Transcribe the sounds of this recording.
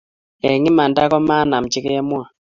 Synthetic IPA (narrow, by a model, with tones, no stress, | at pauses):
ɛ˨ŋi˦ma˨nda˦kɔ˦ma˦na˨m̩˨t͡ʃi˦kɛ˦ɛ˦mwa˨